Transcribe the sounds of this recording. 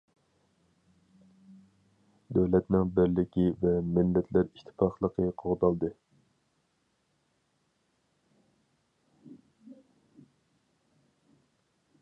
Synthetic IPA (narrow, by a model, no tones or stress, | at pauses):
d̪øwlɛt̪nɪŋbɪɾlɪkʲʰivɛmɪlːɛt̪ʰlæɾiʃt̪ʰɪ̥pʰɑχlˠəqʰəqʰoʁd̪ɑlˠd̪ɨ